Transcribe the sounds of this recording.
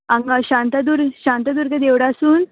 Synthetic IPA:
aŋɡaɕãnt̪ad̪uɾɕant̪ad̪uɾkad̪eʋɽasuːn

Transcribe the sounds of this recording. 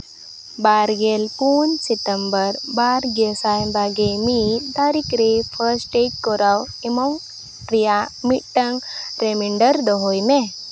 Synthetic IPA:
baɾɡelpunset̪əmbəɾbaɾɡesajmbaɡemit̪aɾikɾepʰəɾsʈek̚kɔɾaw | emɔŋ | ʈɾijamiʈːəŋɡɾemiɳɖəɾd̪ɔɦojmẽ

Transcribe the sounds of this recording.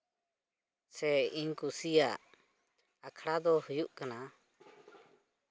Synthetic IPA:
sɛiɲkusijaʔ | akʰɽad̪ɔhujuʔkana

